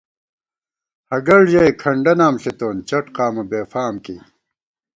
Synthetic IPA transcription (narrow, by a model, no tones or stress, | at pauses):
hɐɡɐɭʑɐjkʰɐɳɖɐnaːmɕet̪oːnt͡ɕɐʈqaːmɐbeːfaːmkḭː